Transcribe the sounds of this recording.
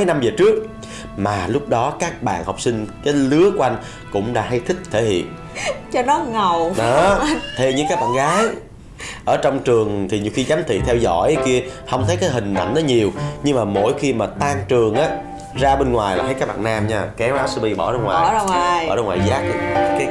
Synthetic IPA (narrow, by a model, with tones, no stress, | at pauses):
jna˧mzəː˨˩t͡ɕɨ˦˥ək̚ | maː˨˩lʊ˦˥k͡p̚ɗɔ˨˦kaː˦˥k̚ɓa̰ː˧˨nhɔ˨˩wk͡p̚sï˧ŋ̟kaː˨˦jlɨ˨˦əku˧ʔa˧jŋ̟ | kʊ̰˧˥ŋ͡mɗa̰ː˧˥ɦa˧jt̪ʰï˦˥k̟̚t̪ʰe˧˩hḭ˧˨ən | t͡ɕɔ˧nɔ˨˦ŋə˨˩wɗɔ˨˦t̪ʰe˧ɲɨ̰˧˥ŋkaː˦˥k̚ɓa̰ː˧˨nɣaː˨˦j | ʔəː˧˩t͡ɕɔ˧wŋ͡mt͡ɕɨ˨˩əŋt̪ʰi˨˩ɲi˨˩əwxi˧za˨˦mt̪ʰḭ˧˨t̪ʰɛ˧wzɔ̰˧˩˨jki˧əhə˧wŋ͡mt̪ʰə˨˦jkaː˨˦jɦï˨˩ŋ̟ʔa̰˧˩jn̟ɗɔ˨˦ɲi˨˩əwɲɨ˧ŋmaː˨˩mo̰˧˥˩jxi˧maː˨˩t̪aː˧ŋt͡ɕɨ˨˩əŋʔaː˨˦ | zaː˧ɓe˧nŋwaː˨˩jlaː˨˩ə˨˦jkaː˦˥k̚ɓa̰ː˨naː˧mɲaː˧kɛ˨˦wʔaː˨˦wsɨ˧ɓi˧ɓɔ˧˩ɗɔ˧ŋwaː˨˩˧ɔː˧˩ɗɔ˧ŋwaː˨˩jzaː˦˥k̚kaː˨˦